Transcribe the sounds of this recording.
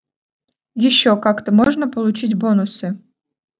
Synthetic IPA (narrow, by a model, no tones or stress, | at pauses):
jɪɕːokakt̪əmoʐnəpəlˠʊt͡ɕitʲbonʊsɨ